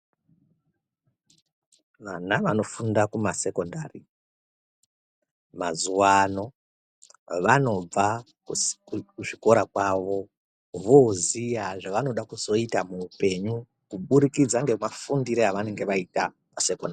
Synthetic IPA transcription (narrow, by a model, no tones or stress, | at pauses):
ʋanaʋano̞fundakumase̞ko̞ndari | mazuwano̞ | ʋano̞b͡va | kukuʐiko̞ɾakwaʋo̞ | ʋozijaʐaʋano̞ɗakuzo̞itamuːpe̞ɲu | kuɓuɾikid͡zaŋɡe̞mafundiɾeaʋane̞ŋɡeʋaita | mase̞ko̞ndari